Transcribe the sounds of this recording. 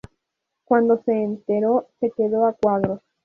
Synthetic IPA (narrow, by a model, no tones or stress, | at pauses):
kwãnd̪o̞se̞ːnt̪e̞ɾose̞ke̞ðo̞akwʷaðɾos